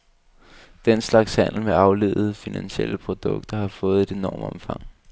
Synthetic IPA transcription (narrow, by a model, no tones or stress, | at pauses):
d̥enslɑ̈ɡ̥shæn̰l̩meɑ̈ʊle̝̰ːð̩ˠfinænɕiḛl̰əpʰʁo̝d̥ɔ̽ɡ̥d̥ɐhɑ̈fɔ̽ːð̞̩ˠe̝d̥e̝nɒːmɒ̽mfɑ̈ŋ̰